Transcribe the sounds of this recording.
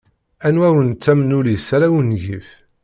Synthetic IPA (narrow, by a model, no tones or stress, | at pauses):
ænwæwɾənt͡sːæmnulisæɾæwənʝif